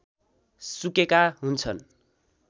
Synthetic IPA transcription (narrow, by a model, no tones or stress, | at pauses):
sukekaɦunt͡sʰʌn